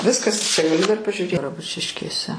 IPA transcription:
ˈʋʲɪskɐs t͡ʃʲɛ ɡɐˈlʲʊ dɐr pɐʒʲʊˈrʲeː ɡrɐˈbʊt͡ʃʲɪʃʲkʲeːsʲɛ

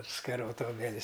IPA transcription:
skɐˈroːtɐ oːbʲɛˈlʲɪs

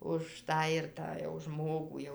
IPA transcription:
ʊʃ ˈtɑː ɪr ˈtɑː jɛʊ ˈʒmoːɡuː ˈjɛʊ

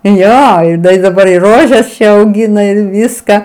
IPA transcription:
ˈjoː ˈdɐ ɪ dɐˈbɐr ɪ ˈroːʒʲɛs ɐʊˈɡʲɪnɐ ɪr ˈʋʲɪskɐ

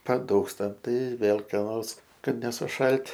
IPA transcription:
pɐˈduːkstɐm ˈtɐɪ ˈʋʲeːlˠ kɐ ˈnoːrs ˈkɐt nʲɛsʊˈʃɐlʲtʲ

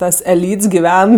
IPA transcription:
ˈtɐs ɛˈlʲiːts ɡʲɪˈʋʲɛn

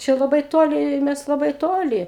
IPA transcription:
ˈt͡ʃʲɛ lˠɐˈbɐɪ ˈtoːlʲɪ ˈmʲɛs lˠɐˈbɐɪ ˈtoːlʲɪ

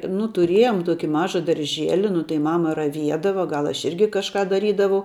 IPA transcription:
nʊ tʊˈrʲiɛjoːm ˈtuɔkʲɪ ˈmɑːʒɐ dɐrʲˈʒʲiɛlʲɪ nʊ tɐɪ ˈmɑːmɐ rɐˈʋʲiɛdɐʋɐ ˈɡɐlˠ ˈɐʃ ˈɪrʲɡʲɪ kɐʃˈkɑː dɐˈrʲiːdɐʋɐʊ

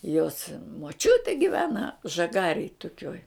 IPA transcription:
joːs moːˈt͡ʃʲʊtʲeː ɡʲɪˈʋʲæːnɐ ʒɐˈɡɑːrʲeːj tʊˈkʲoːj

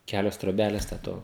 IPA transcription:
ˈkʲæːlʲoːs troːˈbʲæːlʲɛs tʲɛ ˈtoː

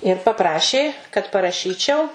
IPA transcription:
ɪr pɐˈprɑːʃʲeː kɐt pɐrɐˈʃʲiːt͡ʃʲɛʊ

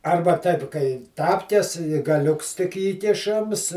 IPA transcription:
ˈɐrbɐ ˈtɐɪp kɐɪ ˈtɑːpʲkʲɛs ɡɐˈlʲʊks tʲɪk ˈiːkʲɪʃɐms

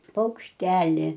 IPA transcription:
pɐʊkʃʲˈtʲæːlʲɪ

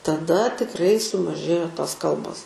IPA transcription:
tɐˈdɐ tʲɪkˈrɐɪ sʊmɐˈʒʲeːjoː ˈtoːs ˈkɐlˠboːs

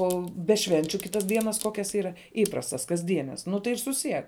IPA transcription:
ˈoː bʲɛ ˈʃʲʋʲɛnʲt͡ʃʲʊ ˈkʲɪtɐs ˈdʲiɛnɐs ˈkoːkʲɛs ˈiːrɐ ˈiːprɐstɐs kɐzʲˈdʲiɛnʲɛs ˈnʊ tɐɪ ɪr sʊˈsʲiɛk

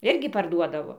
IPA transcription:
ˈɪrʲɡʲɪ pɐrˈduɔdɐʋoː

